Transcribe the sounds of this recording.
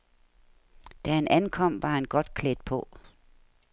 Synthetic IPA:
d̥æhænʔænkʰɒ̽m̰ʋɑ̈hænɡ̥ɒ̽d̥̚kʰled̥̚pʰɔ̽

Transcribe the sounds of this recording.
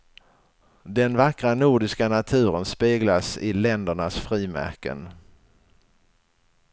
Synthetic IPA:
d̪ɛnvakɾanʊɖɪskanat̪ʰʉ̟ːɾənspeːɡlasɪlɛnd̪əɳasfɾiːmæ̰ɾkə̰n

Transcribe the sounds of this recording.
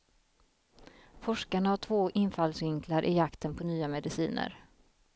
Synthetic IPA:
fɔʂkaɳahaʈʰvoːʔɪnfalsvɪŋklaɾʔɪjakt̪ənpʰɔnyːamɛd̪ɪsḭːnə̰ɾ

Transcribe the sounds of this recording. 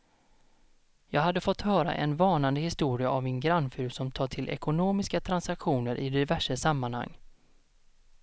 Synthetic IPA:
jɑːɡɦad̪ːəfɔt̪ːhœːɾa̰ʔɛ̰nvɑːnand̪əhɪst̪uːɾɪaavɪnɡɾanːfʉːɾsɔmt̪ʰɑːʈʰɪlʔɛ̰kʊnoːmɪskat̪ʰɾansakɧuːnəɾʔɪ̰d̪ɪvæʂəsamːanha̰ŋː

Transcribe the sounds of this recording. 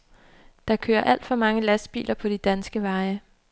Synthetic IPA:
d̥ɑ̈kʰø̰ːɐʔæl̰d̥fɒ̽mɑ̈ŋəlæsd̥̚b̥ḭːlʔɐpʰɒ̽d̥id̥ænsɡ̥əʋɑ̈ːɪə

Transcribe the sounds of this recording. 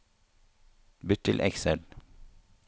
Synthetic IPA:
bʏt̪ʰɪlʔɛ̰ksɛl

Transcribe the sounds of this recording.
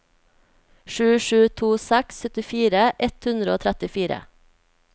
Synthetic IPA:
ʃʉːʃʉːt̪ʰuːsækssœt̪ɪfiːɾəʔɛt̪hʉnd̪ɾəoːt̪ʰɾæt̪ɪfiːɾə̰

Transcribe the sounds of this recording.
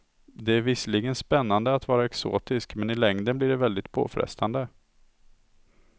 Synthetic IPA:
d̪ɛæɾvɪsəliɡənspɛnːand̪əat̪vɑːɾaɛkso̰ːt̪ɪskmɛnɪlɛŋd̪ənblɪɖɛvɛld̪ɪt̪pʰo̰ːfɾɛ̰st̪ʰand̪ə

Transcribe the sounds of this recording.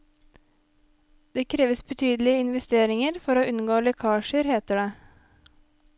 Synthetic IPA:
d̪̥eːkʰɾeːʋəsbət̪ʰyːd̪l̩ɪəɪnʋɛst̪eːɾɪŋəɾfɔɾoːʔʉnɡoːlɛkʰɑːʃəɾheːt̪əɖeː

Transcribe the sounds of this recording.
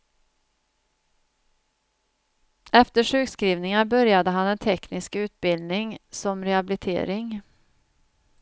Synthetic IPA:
ʔɛft̪əʂʉːkskɾiːvnɪŋabœɾjad̪əɦanɛnt̪ʰɛknɪskʉ̟ːt̪̚bɪld̪nɪŋsɔmɾɛabɪlɪt̪ʰḛːɾɪŋ

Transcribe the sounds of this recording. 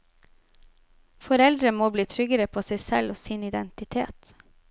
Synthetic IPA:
fɔɾɛld̪ɾəmoːbliːt̪ʰɾʏɡəɾəpʰoːseɪsɛloːsiːnɪd̪ɛnt̪ɪt̪ʰḛːt̪

